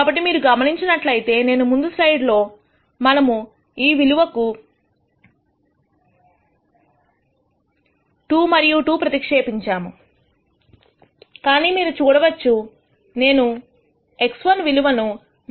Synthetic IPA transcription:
kabɐʈːimiːɾuɡɐmɐniɲt͡ʃinɐʈlɐjit̪e̞ːne̞ːnumund̪uslɐjɖlo̞ː | mɐnɐmu | iːʋiluʋɐku | ʈuːmɐɾijuʈuːpɾɐt̪ikʂeːpiɲt͡ʃaːmu | kaːniːmiːɾut͡ʃuːɽɐʋɐt͡ʃːu | ne̞ːnu | e̞ksʋɐnʋiluʋɐnu

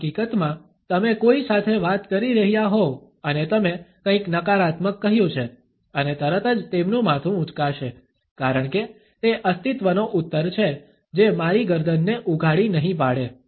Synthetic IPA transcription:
kikət̪mã | t̪əmekoisat̪ʰeʋat̪kəɾiɾəɦjaɦo | ənet̪əmekə̃ĩknəkaɾat̪məkːəɦjũt͡ʃʰe | ənet̪əɾət̪əd͡ʒt̪emnũmat̪ʰũʊt͡ʃkaʃe | kaɾəɳke | t̪eʔəst̪it̪ʋənoʔut̪ːəɾt͡ʃʰe | d͡ʒemaɾiɡəɾd̪ənːeʔuɡʱaɽinəɦĩpaɽe

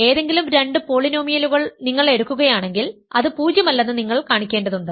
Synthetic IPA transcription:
e̞ːðe̞ŋɡilumɾe̞ɳɖɨpo̞ɭinoːmijɐluɣɐɭniŋːɐɭe̞ɽukːuɣɐjaːɳe̞ŋɡilɐðɨpuːd͡ʑjɐmɐlːɐnːɨniŋːɐɭkaːɳikʲːe̞ːnɖɐðuɳɖɨ

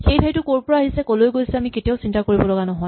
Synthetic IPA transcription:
xejtʰajtʊkoɹpɔɹaaɦisɛkolojɡojsɛamiketiaʊsintakoɹibɔlɔɡanɔɦɔj

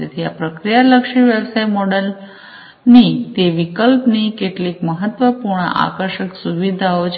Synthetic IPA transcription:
et̪ʰija̰pɾəkɾijaləkʂiʋjeʋsaimɔɽəl | niːt̪eʋikəlpniːkeʈliːkməɦət̪ːʋəpuɾɳə̰ʔa̰kəɾɕəksuʋid̪ʱaot͡ɕ

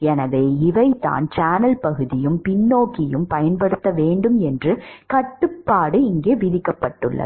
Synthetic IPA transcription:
ɛnɐʋeːɪʋɐɪt̪ːa̰ːnt͡ʃaːnɐlpɐɣɯðɪjɯmpɪnːoːkɪjɯmpɐjɐnpɐɽɯt̪ːɐʋeːɳɖɯmɛndrɯkɐʈːɯpːaːɽɯɪŋɡeːʋɪðɪkːɐpːɐʈːɯɭːɐ̰

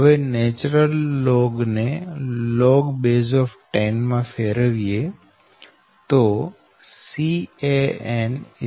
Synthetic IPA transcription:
ʋeneːt͡ɕɾəlːoːɡnelɔːɡbeːzɔːfʈaɪnmãfʰeɾəʋie | t̪o | sieen

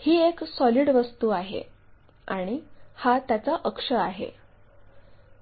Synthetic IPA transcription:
hiːeksɔliːɽʋəst̪uːaɦḛ | aɽ̃ihat̪jat͡saʔəkʂəaɦḛ

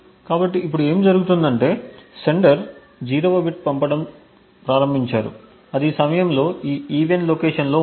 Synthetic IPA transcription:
kaːbɐʈːiːpːuɽue̞ːmd͡ʒɐɾuɡut̪und̪ɐɳʈe̞ːseɳɖɐɾ | d͡ʒiːɾoʋɐbiʈ̚pɐmpɐɽɐm | pɾaːɾɐmbʱiɲt͡ʃaːɾṵ | ɐd̪isɐmɐjɐmlo̞ːiːiːʋenloːkeːʂɐnlo̞ː

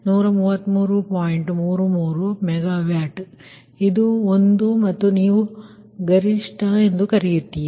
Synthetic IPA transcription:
nuːɾɐmuːʋɐt̪ːmuːɾupaːjiɳʈmuːɾumuːɾumɛɡaːʋjaːʈ | id̪uond̪umɐt̪ːuniːʋu | ɡɐɾiʂʈʰɐe̞nd̪ukɐɾijut̪ːij

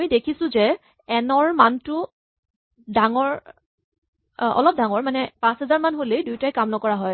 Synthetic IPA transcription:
ijdekʰisʊ̃zɛ | ɛnɔɹmantʊ | daŋɔɹ | ɔ̰lɔp̚daŋɔɹmanɛpãsɦɛzaɹmanɦolejdujtajkamnɔkɔɹaɦɔj

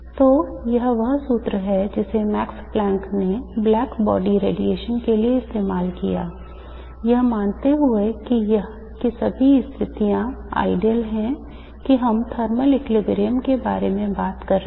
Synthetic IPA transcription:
t̪oːjɐɦʋɐɦsuːt̪ɾəɦɛd͡ʒɪsemɛːksplɛ̃ːŋkneblɛːkbɔ̰ːɖiɾḛːɖieːʃənkelieɪst̪eːmaːlkḭja̰ː | jɐɦmaːnt̪eɦʊekijɐɦ | kisɐbʱiɪst̪ʰɪt̪ijãa̰ːɪɖiəlɦɛ̃ | kiɦɐmt̪ʰəɾməlɪklɪɡɾeːəmkeba̰ːɾemẽbaːt̪kɐɾ

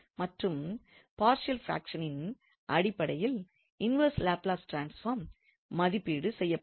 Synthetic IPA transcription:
mɐʈrɯm | paːɾʂɪɐlfɾa̰ːkʂɐnɪn | ʔɐɽɪpːɐɽɐjɪl | ɪnʋɐɾslaːplaːsʈɾaːnsfaːɾmː | ɐðɪpːiːɽɯsɛjːɐ

